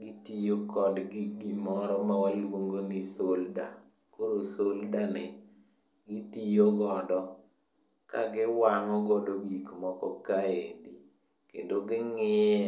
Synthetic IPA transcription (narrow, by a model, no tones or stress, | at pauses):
ɡɪtijokɔdɡɪɡimɔɾɔmawalwoŋɡonɪsolda | koɾosoldanɪ | ɡitijoɡɔdɔ | ka̰ɡɪwaŋɔɡɔdoɡikmɔkɔkaedi | kḛndoɡɪŋɪ